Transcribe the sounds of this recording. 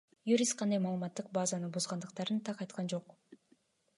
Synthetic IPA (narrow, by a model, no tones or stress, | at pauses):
juɾʲist̪̚qʰɑnd̪ɑjmɑːlˠɯmɑt̪ːɯq̚bɑzɑnɯbuzʁɑnd̪ɯqt̪ɑɾɯnt̪ʰɑqɑjt̪qɑnd͡ʒo̞q